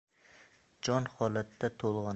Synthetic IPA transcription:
d͡ʒɒnhɒlat̪ʰːat̪ʰolˠʁɑn

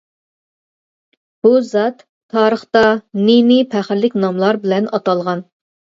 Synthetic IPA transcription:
b̥uzɑt̪ʰː | ɑːɾəχt̪ɑnenipʰæχɾlɪkʲnɑmlˠɑɾbɪlɛnɑt̪ɑlˠʁɑn

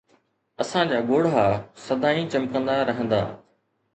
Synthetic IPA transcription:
ɐsãd͡ʑaːɡoːɽaːsɐd̪aːĩt͡ɕɐmkə̃nd̪aɾɐɦə̃nd̪a̰ː

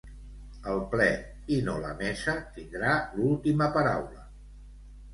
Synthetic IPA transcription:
əlˠplɛ | inolə̰mɛsət̪ind̪ɾalulˠt̪iməpəɾawlə

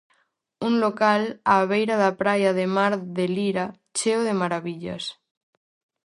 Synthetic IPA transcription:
unlokalaːβejɾaðapɾajaðemaɾðeliɾa | t͡ʃewðemaɾaβiʎa̰s

